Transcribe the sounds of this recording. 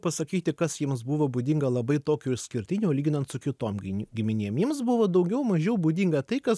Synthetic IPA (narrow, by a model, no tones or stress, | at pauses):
pɐsɐkʲiːt̪ʲɪkɐsjiɛmsbʊʋoːbud̪ʲiŋɡɐlˠɐbɐɪt̪oːkʲuːɪʃʲsʲkʲɪɾʲt̪ʲɪnʲuːlʲiːɡʲɪnɐnt̪sʊkʲɪt̪oːmʲɡʲɪmʲɪnʲeːɛmjiɛmsbʊʋoːd̪ɐʊɡʲɛʊmɐʒʲɛʊbʊd̪ʲiŋɡɐt̪ɐɪkɐs